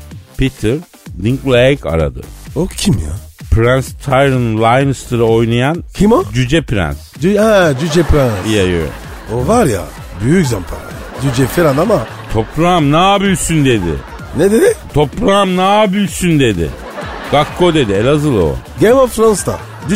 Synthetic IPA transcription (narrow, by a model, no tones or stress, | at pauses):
pit̪ʰɯɾ | d̪iŋklʲˠeka̰ɾa̰d̪ɯ̰ocʰimja̰pɾanst̪ʰajɾɯnlˠajnst̪ɯɾɯo̞jnajancʰimod͡ʒyd͡ʒɛpɾæ̰nsd͡ʒhɛd͡ʒyd͡ʒɛpɾænijajøɾ̰ | ovaɾja̰ | byjyczamt̪ʰala̰ | d͡ʒyd͡ʒɛfiɾand̪ama | t̪ʰo̞pʰlamnabylʲsynd̪e̞d̪ɪ̰ | nɛd̪ed̪ɪt̪ʰo̞plamnabylʲsynd̪e̞d̪ɪ̰ | ɡ̥akʰːo̞d̪e̞d̪iɛlʲazɯlˠo̰ɡemoffɾanst̪a̰ | d͡ʒ